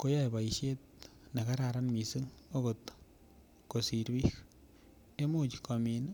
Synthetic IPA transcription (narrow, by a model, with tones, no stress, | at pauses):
ko˦ja˦jba˨i˨ʃe˦t̚ne˨ka˦ɾa˨ɾa˦nmi˨sɯ˦ŋo˦ko˨t | ko˨si˨ɾbi˦k | e˦mu˦t͡ʃka˨mi˨n